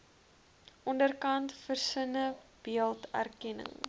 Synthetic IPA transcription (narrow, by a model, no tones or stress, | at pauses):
ʔɔndərkɐntfərsənəb̥iəlˠtæ̰rkɛnə̰ŋ